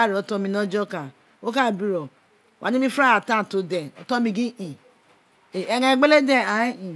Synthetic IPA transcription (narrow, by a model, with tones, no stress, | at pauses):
a˦˨ɾi˨ɔ˨˦tɔ˧˦mĩ˧˦nɔ˦d͡ʒɔ˦ka˨ | o˦ka˦˨bi˦ɾɔ˨ | wʔa̰˨ni˦i˦fɾa˦a˨tã˦˨to˨dɛ˨ɔ˨tɔ˦mĩ˧ɡi˦ʔi˨ | e˨e˦ɡã˦˨ɡ͡be˦le˦de˦˨a˨˦i˨